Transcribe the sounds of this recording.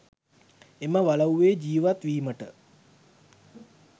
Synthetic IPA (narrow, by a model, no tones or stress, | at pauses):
eməʋalauʋeːd͡ʒiːʋat̪ʋiːməʈə